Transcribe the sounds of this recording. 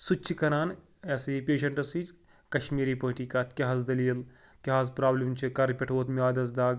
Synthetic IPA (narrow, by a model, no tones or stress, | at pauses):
sut͡ʃʰikɐɾaːn | esipʲeːʃɐɳʈɐsid͡ʒ | kɐʃmiːɾiːpɐɦʈiːkaːt̪kʲɐɦɐzd̪ɐliːl | kʲɐɦazpɾaːblʲimt͡ʃʰikɐɾpʲeʈʰoːt̪mʲaːd̪ʲɐzd̪aːɡ